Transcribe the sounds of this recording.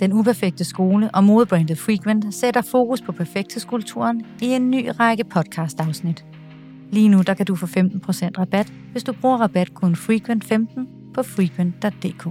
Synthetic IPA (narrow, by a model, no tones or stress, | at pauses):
d̥enupʰæɐfeɡ̥̚d̥əsɡ̥o̝ːləʔɒ̽mo̝ð̞̩ˠb̥ʁɛnd̥ð̩ˠfʁiɡ̥ʰʋend̥seɾ̥ɐfo̝ːkuspʰɒ̽pʰæɐfeɡ̥d̥hḛskʰult͡sʰṵɐnie̝nːy̰ːʁɑ̈ɡ̥əpʰɒ̽d̥̚kʰɑ̈sd̥ɑ̈ʊsnid̥ | liːnud̥ɑ̈kʰæd̥ufɔfemd̥n̩pʰʁo̝sen̰d̥ʁɑ̈b̥æd̥ | ʋe̝sd̥ub̥ʁuːɐʁɑ̈b̥æd̥kʰɔnfʁikʰʋen̰d̥femd̥n̩ | pʰɒ̽fʁikʰwʋen̰d̥ːɒ̽d̥ːe̝̰ːkʰo̰ː